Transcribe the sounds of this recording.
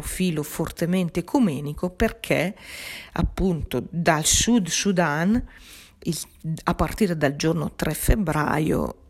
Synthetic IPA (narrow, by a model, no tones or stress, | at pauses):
fiːlofort̪ement̪ekʰumɛːnikoperkʰe | a̰pːunt̪od̪alsud̪sud̪an | i | apːart̪iːɾed̪ald͡ʒorno̰t̪ɾɛfːebɾa̰ːjo̰